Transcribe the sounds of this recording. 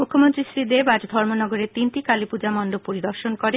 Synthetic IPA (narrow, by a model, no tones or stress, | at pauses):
mukʰːomont̪ɾisɾid̪ebad͡ʑd̪ʱɔɾmonɔɡoɾet̪inʈikalipud͡ʑamɔnɖopoɾid̪ɔɾʃonkɔɾe